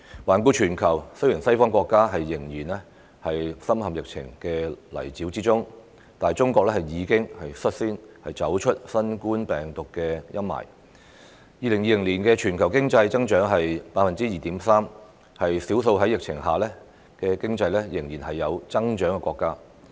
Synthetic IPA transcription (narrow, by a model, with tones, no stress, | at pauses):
waː˨˩nkuː˧t͡ʃʰyː˨˩nkʰɐ˨˩wsɵ˥ɥji˨˩nsɐ˥jfɔː˥ŋkʷɔː˧kːaː˥ɦɐ˨jːɪ˨˩ŋjiː˨˩nɛ˥ | hɐ˨jsɐ˥mhɐ˨mjɪ˨k̚t͡sʰɪ̰˨˩ŋkɛː˧lɐ̰˨˩jt͡siː˨˥wt͡siː˥t͡sʊ˥ŋ | t̪aː˨jt͡sʊ˥ŋkʷɔː˧k̚lɛː˥hɐ˨˩jjiː˨˧kɪ˥ŋhɐ˨jsɵ˥t̚siː˥nhɐ˨jt͡sɐ˨˥wt͡ʃʰɵ˥t̚sɐ˥nkuː˥npɛː˨˩ŋt̪ʊ˨˩kːɛ˧jɐ˥mmɐ̰˨˩j | jiː˨˧lɪ˨˩ŋjiː˨˧lɪ˨˩ŋliː˨˩nkɛ˧t͡ʃʰyː˨˩nkʰɐ˨˩wkɪ˥ŋt͡sɐ˧jt͡sɐ˥ŋt͡ʃœː˨˥ŋɦɐ˨jpaː˧t̚fɐ˨nt͡siː˥jiː˨t̪iː˨˥msaː˥m | hɐ˨jsi˨˥wso˧wɦɐ˨˥jɪ˨k̚t͡sʰɪ̰˨˩ŋɦaː˨lɛ˥ | kɛː˧kɪ˥ŋt͡sɐ˧jlɛ˥jɪ˨˩ŋjiː˨˩nhɐ˨jːɐ˨˧wt͡sɐ˥ŋt͡ʃœː˨˥ŋkɛ˧kʷwɔː˧kːaː˥